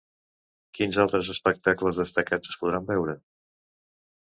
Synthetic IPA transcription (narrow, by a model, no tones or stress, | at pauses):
kinzalˠt̪ɾəzəspək̚t̪akləzðəst̪əkad͡zəspuð̞ɾambɛwɾə